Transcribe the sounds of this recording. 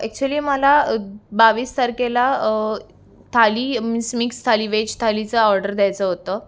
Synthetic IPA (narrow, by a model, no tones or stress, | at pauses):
ɛk̚t͡ɕuəliːməlabaʋiːst̪aɾkela | t̪ʰaliːmismikst̪ʰaliːʋet͡ɕt̪ʰalit͡səɔɾɖəɾd̪jajt͡səɦot̪ə